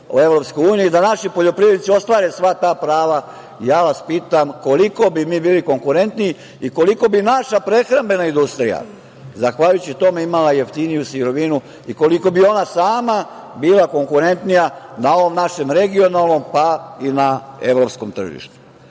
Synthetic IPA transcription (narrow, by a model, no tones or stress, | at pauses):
ue̞ʋɾo̞psko̞juːnijid̪anaʃipo̞ʎo̞pɾiʋeit̪sio̞st̪ʋaːɾesʋat̪aːpɾaːʋa | jaːʋaspiːt̪amko̞liko̞bimiːbiːliko̞ŋkuɾe̞nt̪nii | iko̞liko̞binaʃapɾe̞xɾambe̞naind̪ust̪ɾija̰ | zaxʋaʎujut͡ɕit̪o̞me̞imalaje̞ft̪inijusiɾo̞ʋinu | iko̞liko̞bio̞nasaːma | biːlˠako̞ŋkuɾe̞nt̪nijanao̞ʋomnaʃe̞mɾe̞ɡio̞nalˠno̞mpainae̞̰ʋɾo̞psko̞mt̪r̩ʒḭʃt̪u̥